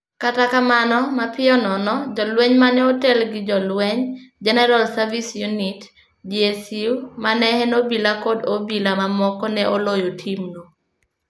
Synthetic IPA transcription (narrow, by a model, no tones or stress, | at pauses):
katakamanɔmapɪɔnɔnɔd͡ʒɔlwɛɲmanɛotɛlɡɪd͡ʒɔlwɛɲd͡ʒɛnɛɾalsavisjunit | d͡ʒiesiwmanɛhɛnobilakodobilamamɔkɔnɛʔolojotʰimno